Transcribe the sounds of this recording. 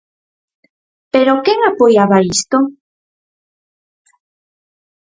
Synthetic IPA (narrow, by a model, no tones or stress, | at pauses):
peɾokeŋapojaβaist̪o